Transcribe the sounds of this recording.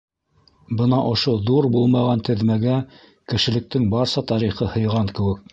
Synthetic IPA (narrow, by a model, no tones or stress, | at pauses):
bɤnɑʔŏʃoðuɾbulˠmɑʁɑnt̪ɘ̆ðmæɡæ | kɘ̆ʃɘ̆lɘ̆k̚t̪ɘŋbɑɾsɑt̪ɑɾiχɤhɤ̆jʁɑŋkɘ̆wɘk̚